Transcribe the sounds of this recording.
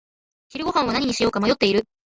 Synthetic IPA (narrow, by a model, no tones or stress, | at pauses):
çiɾɯ̟ɡo̞ɦãɰ̃βanaɲ̟iɲ̟iɕijo̞ːkamajo̞t̪ːe̞iɾɯ̟